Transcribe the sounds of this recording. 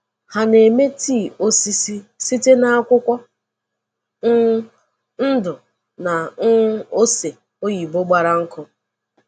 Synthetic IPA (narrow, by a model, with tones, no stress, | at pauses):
ha˨ne˨me˦ti˦˨o˦si˦si˦si˦te˦na˦a˦kʷʊ˦kʷɔ˦ | n̩˦dʊ˨ | na˨˦ | o˦se˨ | o˦ji˨bo˦ɡ͡ba˦ɾa˦ŋ̩˦kʊ˦